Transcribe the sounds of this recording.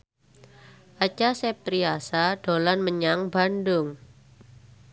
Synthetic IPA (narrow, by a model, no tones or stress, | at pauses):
ʔat͡ʃasɛp̚t̪ɾiasaɖ̥o̤lanməɲaŋbandʊŋ